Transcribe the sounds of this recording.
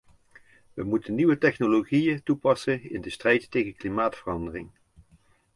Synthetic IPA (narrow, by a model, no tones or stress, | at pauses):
ʋəmutənːiʋətɛχnoloχijətupɑsənɪ̰ndəstrɛjttejɣəklimaːtfərɑndərɪŋ